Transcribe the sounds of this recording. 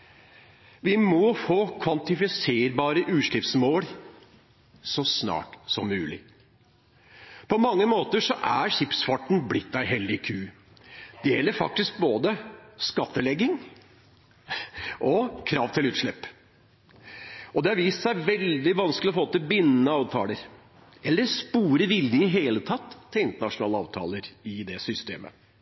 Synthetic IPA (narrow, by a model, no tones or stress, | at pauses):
ʋɪmɔfoːkʰʋɑnt̪ɪfɪseːɾbɑːɾəʔʉːʂɭɪpsmoːɾ | sɔsnɑ̰ːʈsɔmːʉːlɪ̰ | pʰɔmɑŋːəmoːt̪əʂɔʔæɾɕɪpsfɑʈn̩blɪt̪̚d̪æɪɦɛld̪ɪkʰʉː | d̪̥ɛjɛlːəɾfɑ̰k̚t̪ɪsk̚boːd̪əskɑt̪ːəlɛɡːɪŋ | ɔkʰɾɑːʋt̪ʰɪlʉːt̪ʂɭɛpː | ɔd̪ɛhɑɾʋiːst̪sæɪʋɛld̪ɪʋɑnsklɪɔfoːt̪ɪbɪnːnəɑːʋt̪ʰɑ̰ːləɾ | ɛlːəɾspuːɾəʋɪlːɪŋɦeːlət̪ʰɑt̪ʰːɪlɪnt̪əɳɑʂʊnɑːləɑ̰ːʋt̪ʰɑ̰ːləɾɪd̪ɛsʏst̪ḛːmə̰